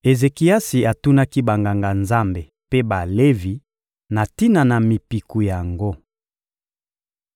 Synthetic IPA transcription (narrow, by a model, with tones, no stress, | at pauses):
e˨ze˨ki˨a˦si˨a˨tu˦na˦ki˦ba˨ŋɡa˨ŋɡa˨nza˦mbe˨ | pe˦ba˨le˦vi˨ | na˨ti˦na˨na˨mi˨pi˨ku˨ja˨ŋɡo˦